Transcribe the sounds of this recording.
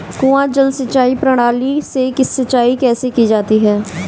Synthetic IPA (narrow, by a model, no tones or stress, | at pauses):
kũːãːd͡ʒəlsətːt͡ʃaːiːpɾəɽ̃aːliːseːkɪsːət͡ʃaːiːkɛːsekiːd͡ʒaːt̪iːɦɛː